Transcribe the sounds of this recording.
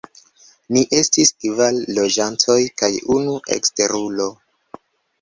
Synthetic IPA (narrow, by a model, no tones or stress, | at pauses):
niʔe̞stiskvalːo̞d͡ʒantʰo̞jkajunuʔe̞̰kste̞ɾulo̞